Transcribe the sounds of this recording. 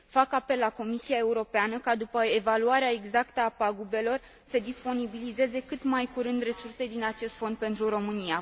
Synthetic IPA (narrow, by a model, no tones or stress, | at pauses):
fakape̞lːako̞misiae̞uɾo̞peanəkad̪upəevaluaɾeae̞ɡzakt̪əapaɡube̞lo̞r | səd̪ispo̞nibilize̞ze̞kɨt̪majkuɾɨnd̪re̞surse̞d̪inat͡ʃe̞st̪fo̞nd̪̚pe̞nt̪ɾuɾo̞mɨnija